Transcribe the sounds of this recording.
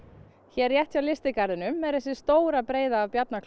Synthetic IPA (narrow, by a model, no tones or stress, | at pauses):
çɛɾjɛht̪fjawlɪst̪ɪkaɾðɪnʏmːɛððɛsɪ̥st̪oːwɾapɾeːjðaːvpjat̪̚nakʰ